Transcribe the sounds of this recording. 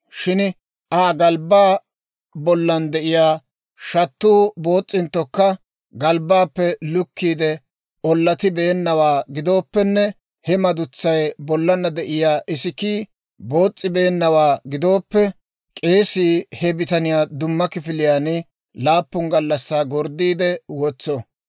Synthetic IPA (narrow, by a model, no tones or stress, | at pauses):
ʃɪn | ʔaːɡɐlbaː | bɔlːɐnd̪ɛʔɪjaː | ʃɐt̪ːuːbo̞ːt͡sʼːɪnt̪ːɔkːɐ | ɡɐlbaːpːɛlʊkːiːd̪ɛ | ʔɔlːɐt̪ɪbe̞ːnːɐwaːɡɪd̪o̞ːpːɛnːɛ | hɛmɐd̪ʊt͡sːɐjbɔlːɐnɐd̪ɛʔɪjaːʔɪsɪkiː | bo̞ːt͡sʼːɪbe̞ːnːɐwaːɡɪd̪o̞ːpːɛ | kʼe̞ːsiːhɛbɪt̪ɐnɪjaːd̪ʊmːɐkɪfɪlɪjaːnɪ | laːpːʊŋɡɐlːɐsːaːɡɔɾd̪iːd̪ɛwɔt͡sːɔ